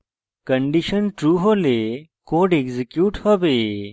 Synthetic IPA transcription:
kɐ̃ɳɖiɕənʈɾuːɦolekoːɖeɡzikjuːʈhɐbe

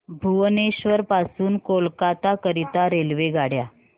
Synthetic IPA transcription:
bʱuʋneɕʋəɾpasuːnkolkat̪akəɾit̪aɾelʋeɡaɽja

